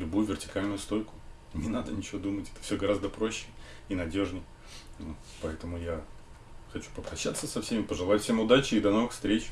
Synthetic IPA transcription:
lʲʊbujʊvʲɪrtʲɪ̥kalʲnʊjʊst̪o̞jkʊ̥ | nʲɪnad̪ənʲɪt͡ɕɪvod̪umətʲɛ̥t̪ə̥fsʲoɡɐɾazd̪əpɾo̞ɕːɪ | inɐdʲo̞ʐnʲɪj | vo | pɐɛt̪əmʊja | xɐt͡ɕu̥pəpɾɐɕːat̪sːəsɐfsʲemʲɪpəʐɨlˠaʊtʲfsʲemʊd̪at͡ɕɪɪd̪ɐno̞vɨxfst̪ɾʲet͡ɕ

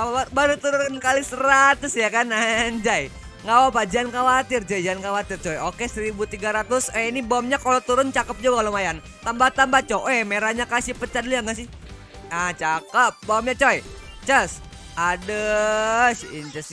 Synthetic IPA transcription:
aabaɾut̪uɾʊnkalisəɾat̪ʊsjakanaɲd͡ʒaj | ŋawapad͡ʒiankawat̪ɪrd͡ʒad͡ʒiankawat̪ɪrt͡ʃɔɛokesəɾibut̪iɡaɾat̪ʊsɛinibamɲakalot̪uɾʊnt͡ʃakəp̚d͡ʒuɡakalomajan | t̪ambat̪ambat͡ʃoʔɛmeɾaɲakasipət͡ʃat̪̚liaŋɡasɪ | at͡ʃakəp̚baɔmɲat͡ʃoɛ | t͡ʃəs | adə | siɲt͡ʃəs

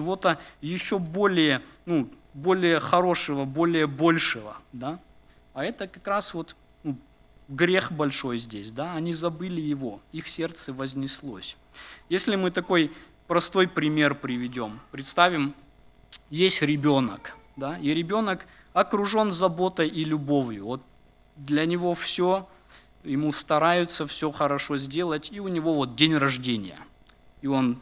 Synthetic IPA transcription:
t͡ʃɪvo̞t̪əjɪɕːo̞bo̞lʲɪjənu | bo̞lʲɪjəxɐɾo̞ʂɨvəbo̞lʲɪjəbo̞lʲʂɨvə̰d̪a | ɐɛt̪əkɐkɾasvo̞t̪ | nu | ɡɾʲe̞xbɐlʲʂo̞jzʲdʲesʲd̪aɐnʲizɐbɨlʲɪjɪvo̞ixsʲe̞rt̪səvəzʲnʲɪslˠo̰sʲ | jesʲlʲɪmɨt̪ɐko̞j | pɾɐst̪o̞jpɾʲɪmʲe̞rpɾʲɪvʲɪdʲo̞mpɾʲɪt̪st̪avʲɪm | jesʲtʲɾʲɪbʲo̞nə̰kd̪aiɾʲɪbʲo̞nək | ɐkɾʊʐo̞nzɐbo̞t̪əjʔilʲʊbo̞vjʊvo̞t̪̚ | d̪lʲɐnʲɪvo̞fsʲo | jɪmust̪ɐɾajʊt̪səfsʲoxəɾɐʂo̞zʲdʲe̞lˠətʲiʊnʲɪvo̞vo̞t̪̚dʲenʲrɐʐdʲenʲɪ̰jə̰ | io̞n

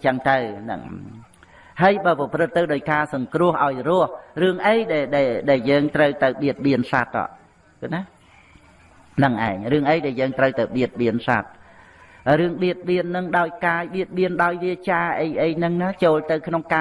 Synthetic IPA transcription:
t͡ɕəŋt̪ɨwnɨ̰ŋ | haəjɓəːpɑprɨt̪ːɨwɗaɔːjkaːsɑŋkrʊ̆əhʔaɔjrʊ̆əhrɨəŋʔəjɗaɛlɗaɛlɗaɛljəːŋt̪rəwt̪ɨwɓiət̪̚ɓiənsa̰t̪̚ːɑ̰ːʔ | kɨna | nɨŋʔa̰ɛŋrɨəŋʔəjɗaɛljəːŋt̪rəwt̪ɨwɓiət̪̚ɓiənsa̰t̪̚ | ɾɨəŋɓiət̪̚ɓiənːɨŋɗaɔjkaːjɓiət̪̚ɓiənɗaɔjʋiət͡ɕaːʔəjʔəjnɨŋnaːt͡ɕoːlt̪ɨwkʰnoŋkaː

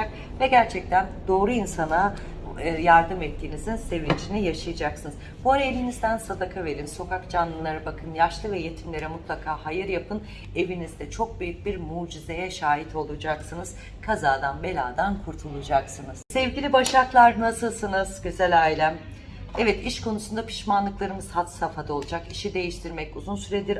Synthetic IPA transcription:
k̚ | vɛɟæɾt͡ʃʰɛc̚t̪ʰænd̪o̞ːɾuinsana | jaɾd̪ɯmɛt̪ʰːiːnizinse̞vind͡ʒinijaʃajad͡ʒaksɯnɯz | buaɾae̞vinizd̪ænsad̪akʰave̞ɾinso̞kakd͡ʒanlːˠɯlˠaɾɯbakʰɯnjaʃlˠɯvɛje̞t̪ʰimlʲe̞ɾɛmut̪lˠakʰaːhajɯɾjapʰɯn | e̞vinizd̪ɛt͡ʃʰo̞k̚byjyc̚biɾmuːd͡ʒize̞jɛʃaːɦit̪ʰo̞lˠud͡ʒaksɯnɯz̥ | kʰazaːd̪anbe̞lʲaːd̪ankʰuɾt̪ʰulˠud͡ʒaksɯnɯz̥sɛvɟilʲibaʃaklˠaɾnasɯlˠsɯnɯz̥ɟyzɛlʲaːjilʲæm | ɛvɛt̪iʃkʰo̞nusund̪apʰi̥ʃmanlˠɯklˠaɾɯmɯz̥hat̪safad̪ao̞lˠud͡ʒakiʃid̪e̞jiʃt̪ʰiɾmɛcuzunsyɾed̪iɾ

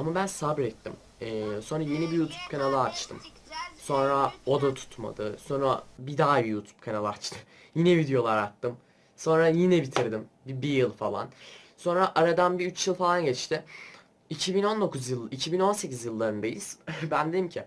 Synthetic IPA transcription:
amabænsabɾɛt̪ːim | ɛːso̞nɾaje̞nibijuːt̪ʰub̚kʰanalˠaːt͡ʃt̪ʰɯm | so̞nɾao̞d̪at̪ʰu̥t̪ma̰d̪ɯso̞nɾabid̪aːjijuːt̪ʰu̥b̥̚kʰanalˠaat͡ʃt̪ʰɯ | jinɛvid̪ejo̞lˠaɾat̪ːɯm | so̞nɾajinɛbit̪ʰiɾd̪imbibijɯlˠfalˠa̰nso̞nɾaʔaɾad̪anbiyt͡ʃjɯlˠfalˠanɟɛt͡ʃt̪ʰɪ | icʰibino̞nd̪o̞kʰuzjɯlˠicʰibino̞nse̞cizjɯlˠːaɾɯnd̪ajiz̥bænd̪eimcʰɪ

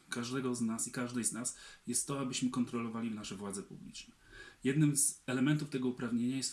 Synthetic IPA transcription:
kaʐd̪ɛɡɔznasikaʐd̪ɛjznasjɛst̪ːɔabɘɕmɘkɔnt̪ɾɔlɔvalʲivnaʂɛvwad̪zɛpublʲḭt͡ʂnɛjɛd̪nɘmzɛlɛmɛnt̪uft̪ɛɡɔupɾavɲeɲajɛst̪

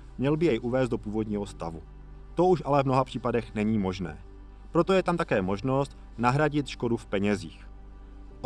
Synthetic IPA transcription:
mɲɛlbɪjɛjʔuvɛːszd̪do̞puːvo̞dɲiːɦo̞st̪avu | t̪o̞uʃʔalɛvmno̞ɦapr̥iːpadɛxnɛɲiːmo̞ʒnɛ̰ː | pɾo̞t̪o̞jɛt̪amt̪akɛːmo̞ʒno̞st̪ | naɦɾaɟɪt̪ʃko̞dufpɛɲɛziːx | ʔ

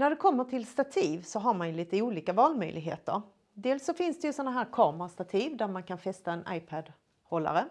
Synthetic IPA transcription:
næɖɵkʰɔmːəʈʰɪlst̪at̪ʰiːvsɔɦaɾmanjɵliːt̪əuːliːkavɑːlmœ̰jlʔɪɡɦḛːt̪ə̰ɾ | d̪eːlsːɔfɪnsd̪ɛjɵsɔnːaɦæːɾkʰɑːmɾast̪at̪ʰiːvd̪æɾmankʰanfɛst̪aɛnʔa̰jpʰad̪ | hɔlːa̰ɾə

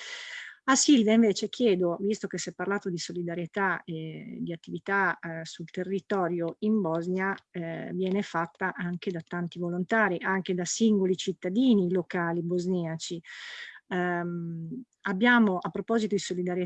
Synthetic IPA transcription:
asilvaiɱveːt͡ʃek̟ʰjɛːd̪ovist̪okesɛpːarlaːt̪od̪isolid̪aɾjet̪aed̪ːiat̪ːivit̪asult̪erːit̪ɔːɾjoimbɔznjavjɛːnefat̪ːaʔaŋked̪at̪ant̪ivolont̪aːɾiʔaŋked̪asiŋɡolit͡ʃit̪ːad̪iːnilokaːlibozniat͡ʃi | abːjaːmoʔapːɾopɔzit̪od̪isolid̪aɾje

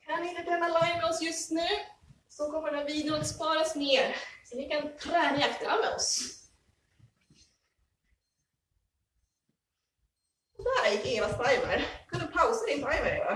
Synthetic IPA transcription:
kʰanvɪɪnt̪ət̪ɾɛːnːalajmɛɔsjɵst̪nʉ̟ː | sɔkʰɔmːəɖɛviːd̪ak̪spɑːɾasneːɾsɔvɪkʰant̪ʰɾɛːnaakt̪əɾamɛ̰ɔ̰s | ɔd̪æːɾjɪkːeːvast̪ɾajməɾkʰɵnpʰawsad̪ɪnsɾajvəɾeːva̰

